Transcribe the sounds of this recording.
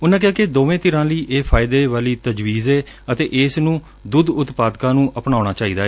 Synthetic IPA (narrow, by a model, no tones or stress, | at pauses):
ʊnːãːkɪɦaːked̪oːʋẽːt̪ɪɾãːləiːʔeːpʰaːɪd̪eːʋaːliːt̪əd͡ʒʋiːzɛː | ət̪eːʔeːsnũː | d̪ʊd̪ʊt̪paːd̪kãːnũːʔəpnaːʊɽaːt͡ʃaːiːd̪aːɛː